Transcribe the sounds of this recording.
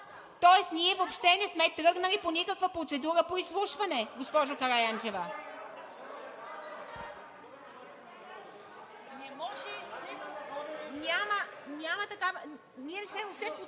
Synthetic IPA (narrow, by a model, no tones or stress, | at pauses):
t̪ɔɛsniɛvopʃt̪ɛnɛsmɛt̪ɾɤɡnɐliponikəkvəpɾot̪sɛd̪uɾəpoislˠuʃvɐnɛɡospɔʒʊkɐɾajant͡ʃɛvə | nɛmɔʒɛ | nʲamɐnʲamɐt̪ɐkavə | nʲiɛnɛsmɛvopʃt̪ɛ